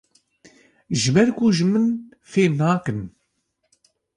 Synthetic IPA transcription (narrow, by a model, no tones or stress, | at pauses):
ʒɪbɛɾkuʒɨmɨn | feːnaːkɨn